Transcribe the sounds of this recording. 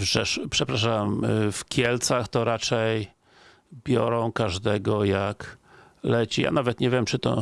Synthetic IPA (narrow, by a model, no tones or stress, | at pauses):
vʐɛʂpʂɛpɾaʂamfkʲjɛlt̪saxt̪ɔɾat͡ʂɛj | bʲjɔɾɔ̃w̃kaʐd̪ɛɡɔjak | lɛt͡ɕija̰navɛt̪ɲɛvʲjɛmt͡ʂɘt̪ɔ̰